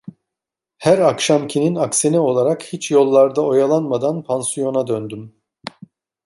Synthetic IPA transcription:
hæɾakʃamcʰininaksenio̞lˠaɾakhit͡ʃjo̞lˠːaɾd̪ao̞jalˠanmad̪anpʰansijo̞nad̪ønd̪ym

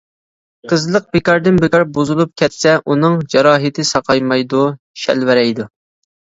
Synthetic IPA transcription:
qʰəzlˠəq̚pɪkɑɾd̪ɨnbɪkɑɾbuzɨlˠup̚kʲʰɛt̪sɛʔunɨŋd͡ʒɑɾɑːɦɪt̪ʰɪsɑqʰɑjmɑjd̪u | ʃɛ̰lvɪɾɛjd̪u

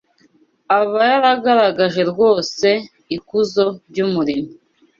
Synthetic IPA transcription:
aβajaɾaɡaɾaɡaʒe̞ɾɡo̞ːse̞ | ikuzo̞ɾɟumuɾimi

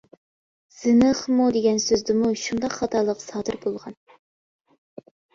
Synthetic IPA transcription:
z̥ɨnɨχmud̪eɡʲɛnsøzd̪ɪmuʃund̪ɑqχɑt̪ʰɑlˠəqsɑːd̪ɨɾbolˠʁɑn

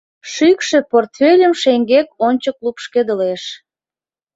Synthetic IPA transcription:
ʃykʃĕport̪fʲelʲəmʃeŋɡekonʲt͡ɕəklupʃked̪əleʃ

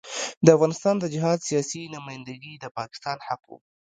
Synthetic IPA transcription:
d̪əafɣɑnɪst̪ɑnd̪əd͡ʒɪɦɑd̪sijɑsinʊmɑjnd̪aɡid̪əpɑkɪ̥st̪ɑnhaqṵ

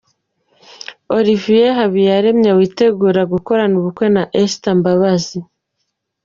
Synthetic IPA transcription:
o̞ɾivijeɦaβijaɾe̞mɲewiːte̞ɡuːɾaɡuko̞ɾanuβukwe̞naʔestambaβazi

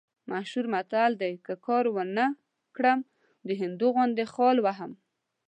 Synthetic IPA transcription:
maʃuɾmat̪ald̪ajkəkɑɾwənə | kɽəm | d̪əɦɪnd̪uɣwʊnd̪exɑlwaɦam

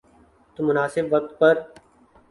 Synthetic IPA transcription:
t̪umʊnaːsɪbʋək̚t̪̚pɐɾ

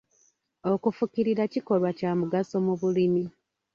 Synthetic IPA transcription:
o̞kufukiɾiɾaciko̞lwacaːmuɡasomuβulimi

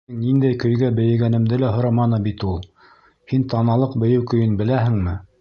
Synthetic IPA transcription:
ɘŋnind̪æjkɵ̆jɡæbɘ̆jɘ̆ɡænɘ̆md̪ɘlæɦŏɾɑmɑnɤbit̪ulˠ | hint̪ɑnɑlˠɤqbɵ̆jɘwkɵ̆jɵnbɘ̆læɦɘ̆ŋmɘ

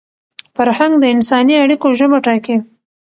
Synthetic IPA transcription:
fəɾhaŋɡd̪əɪnsɑniaɽikoʒəmaʈɑke

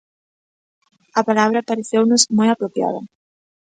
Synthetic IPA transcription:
ɐpalaβ̞ɾɐpaɾeθewnʊzmojapɾopja̰ðɐ̰

